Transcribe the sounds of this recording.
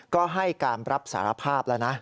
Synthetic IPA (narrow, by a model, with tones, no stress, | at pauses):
kɔː˥˩ɦa˥˩jkaː˧nɾa˦˥p̚sa̰ː˩˦ɾa˧pʰaː˥˩p̚la˦˥wna˦˥ʔ